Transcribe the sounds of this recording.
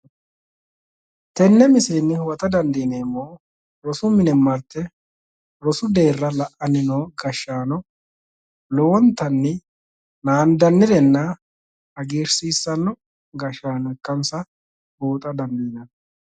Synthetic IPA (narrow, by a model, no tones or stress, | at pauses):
t̪ɛnːɛmɪseːnːɪwɐt̪ɐd̪ɐnd̪iːneːmːoː | ɾɔsʊmɪnɛmːɐɾt̪ːɛ | ɾɔsʊd̪e̞ːrːɐlɐʔɐnɪnoːɡɐʃːaːnɔ | lowɔnt̪ɐnːɪ | naːnd̪ɐnːɪd̪ɛnːɐ | ɐɡeːɾsiːsːɐnːɔ | ɡɐʃaːnɔɛkːɐnsɐ | boːt̪ʼɐd̪ɐnd̪iːnɐn